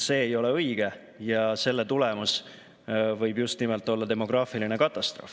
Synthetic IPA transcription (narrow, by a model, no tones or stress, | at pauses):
se̞ːjo̞le̞ɤjɡ̥e̞ | jɑse̞lːet̪ulɛmus | vɤjbjust̪nimelt̪ːˑo̞lːɑt̪e̞mo̞ɡ̥rɑːfiline̞kɑt̪ˑːɑst̪ro̞̰ːf